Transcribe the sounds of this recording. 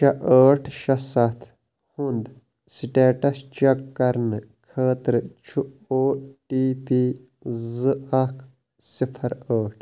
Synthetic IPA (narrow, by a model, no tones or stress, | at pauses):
ʃɐʔəːʈʰʃɐsɐt̪ʰ | hund̪ | siʈeːʈɐst͡ʃɐkːɐɾnɨ | kʰəːt̪ɾɨt͡ʃʰuoːʈiːpi | zɨɐkʰ | sipʰɐɾəːʈʰ